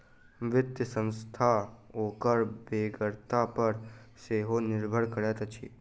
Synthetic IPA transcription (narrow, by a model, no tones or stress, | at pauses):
ʋɪt̪jəsə̃ñst̪ʰaoːkəɾbeːɡəɾt̪apəɾseːɦonɪɾbʱəɽkəɽet̪ət͡ʃʰḭː